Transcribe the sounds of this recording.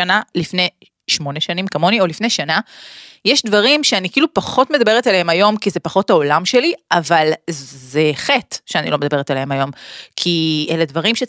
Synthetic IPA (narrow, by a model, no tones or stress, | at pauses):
analifne̞ | ʃmo̞neʃanimkamo̞nio̞lifnejʃanajeʃdvaʁimʃeanikiiːlupaχo̞tme̞d̪abe̞ʁetalehemajo̞mkizepaχo̞taolamʃe̞liʔavalzeχetʃeanḭlo̞med̪abe̞etalehemajo̞mkʰieledvaʁimʃe